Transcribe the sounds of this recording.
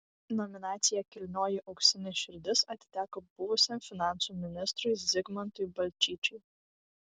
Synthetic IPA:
nɔmʲɪnɑːt̪sʲɪjɛkʲɪlʲnʲoːjɪʔɐʊkʃsʲɪnʲɪʃʲɪɾʲd̪ʲɪsɐt̪ʲɪ̥t̪ʲæːkob̥ʊʋʊsʲɛmfʲɪnɑˑnt̪sumʲɪnʲɪst̪ɾʊɪzʲɪɡmɐnt̪ʊjbɐlʲt͡ʃʲiːt͡ʃʲʊɪ

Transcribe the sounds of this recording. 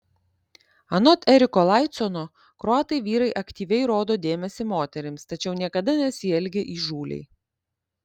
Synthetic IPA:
ɐnɔt̪ɛɾʲɪkolˠɑˑɪt̪sɔnoː | kɾoɑːt̪ɐɪʋʲiːɾɐɪʔɐkt̪ʲiːʋʲɛɪɾoːd̪oːd̪ʲeːmʲɛsʲɪmoːt̪ʲɛɾʲɪmst̪ɐt͡ʃʲɛʊnʲiɛkɐd̪ɐnʲɛsʲiːɛlʲɡʲeʔiːʒuːlʲɛ̰ɪ

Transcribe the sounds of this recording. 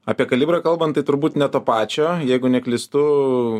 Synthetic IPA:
ɐːpʲiɛkɐlʲiːbɾɐkɐlˠbɐnt̪ɐɪt̪ʊɾbuːt̪nʲɛt̪oːpɑːt͡ʃʲoːjɛɪɡʊnʲɛklʲɪst̪ʊ

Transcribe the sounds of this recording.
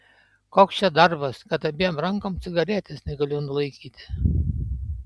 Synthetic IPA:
koːkst͡ʃʲɛd̪ɐɾbɐskɐt̪ɐbʲejoːmɾɐŋkoːmt̪sʲɪɡɐɾʲæːt̪ʲesnʲɛɡɐlʲunʊlˠɐɪkʲiːt̪ʲɪ̥

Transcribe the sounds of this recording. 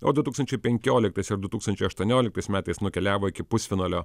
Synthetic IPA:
oːd̪ʊt̪uːksɐnʲt͡ʃʲɛɪpʲɛŋʲkʲoːlʲɪk̚t̪ɐɪsɪɾd̪ʊt̪uːkst̪ɐnʲt͡ʃʲɛɪɐʃt̪uɔnʲoːlʲɪk̚t̪ɐɪsmʲæːt̪ɐɪsnʊkʲɛlʲæːʋoːɪkʲɪpʊsʲfʲɪnɑːlʲoː

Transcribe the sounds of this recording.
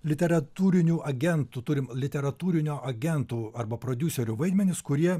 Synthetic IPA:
lʲɪt̪ʲɛɾɐt̪uːɾʲɪnʲuːʔɐɡʲɛnt̪uːt̪ʊɾʲɪmlʲɪt̪ʲɛɾɐt̪uːɾʲɪnʲoːʔɐɡʲɛnt̪uːɐɾbɐpɾoːd̪ʲʊsʲɛɾʲʊʋɐɪd̪ʲmʲɛnʲɪskʊɾʲiɛ

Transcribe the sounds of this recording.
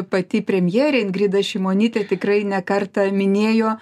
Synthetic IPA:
pɐt̪ʲiːpʲɾʲɛmʲjɛːɾʲeːɪnɡrʲiːd̪ɐʃʲɛɪmoːnʲiːt̪ʲɛt̪ʲɪkrɐɪnʲɛkɐrt̪ɐmʲɪnʲeːjoː

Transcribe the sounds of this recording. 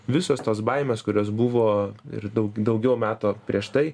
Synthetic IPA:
ʋʲɪsoːst̪oːsbɐɪmʲeːskʊɾʲoːsbʊʋoːɪ̰ɾd̪ɐʊɡd̪ɐʊɡʲɛʊmʲæːt̪oːpʲɾʲiɛʃt̪ɐɪ

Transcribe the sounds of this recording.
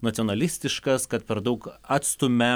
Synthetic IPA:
nɐt̪sʲonɐlʲɪsʲt̪ʲɪʃkɐskɐt̪̚pʲɛɾd̪ɐʊkɑːt̪st̪ʊmʲɛ

